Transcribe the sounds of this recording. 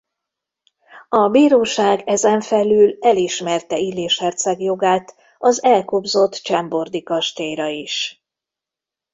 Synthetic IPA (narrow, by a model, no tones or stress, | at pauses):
ɒbiːɾoːʃaːɡɛzɛɱfɛlyːlɛliʃmɛrt̪ɛileːʃhɛrt̪sɛɡjo̞ɡaːt̪ | ɒzɛlkobzo̞t̪ːt͡ʃɛmbo̞rd̪ikɒʃt̪eːjɾɒiʃ